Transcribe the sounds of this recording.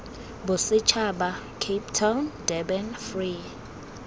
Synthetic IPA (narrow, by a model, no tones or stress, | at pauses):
bʊsɪt͡ʃʰaɓa | kʰep̚tʰawndɛbɛnfri